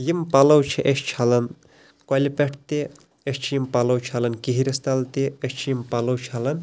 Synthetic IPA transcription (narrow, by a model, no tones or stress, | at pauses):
jimpɐlɐwt͡ʃʰiʔeʃt͡ʃʰɐlɐn | kolʲipeʈʰt̪e | eʃt͡ʃʰijimpɐlɐwt͡ʃʰɐlɐnkiɦiɾʲist̪ɐlt̪eeʃʲt͡ʃʰijimpɐlɐwt͡ʃʰɐlɐn